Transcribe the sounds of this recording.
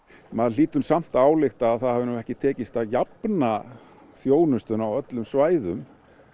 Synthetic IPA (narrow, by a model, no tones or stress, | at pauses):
maðl̥iːt̪ʏmsam̥t̪aaːwlɪxt̪aːðθaðhavɪnuwɛhcɪt̪ʰɛːcɪst̪aðjapna | θjoːwnʏst̪ʏnawœt̪lʏmsvaːjðʏm